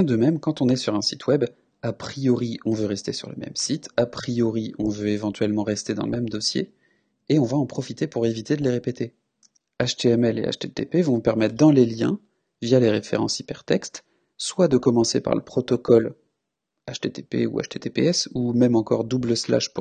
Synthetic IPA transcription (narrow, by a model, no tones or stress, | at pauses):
jɛ̃d̪əmɛmkɑ̃t̪ɔ̃nɛsyʁɛ̃sit̪ʰwɛb | apχijɔʁiɔ̃vøʁɛst̪esyʁlə̰mɛ̰msit̪apχijɔʁiɔ̃vøevɑ̃t̪ɥɛlmɑ̃ʁɛst̪ed̪ɑ̰̃ləmɛmd̪ɔsjḛ | eɔ̃vaɑ̃pχɔfit̪epuʁevit̪ed̪əleʁepet̪ʰe | aʃt̪eɛmɛlḛa̰ʃt̪et̪epevɔ̃pɛʁmɛt̪χd̪ɑ̃leljɛ̃ | vjaleʁefḛʁɑ̰̃sipɛʁt̪ɛkst̪ | swad̪əkɔmɑ̃sepa̰ʁlə̰pχɔt̪ɔkɔl | aʃt̪et̪epḛṵa̰ʃt̪et̪epḛɛsumɛmɑ̃kɔʁd̪ubləsla̰ʃp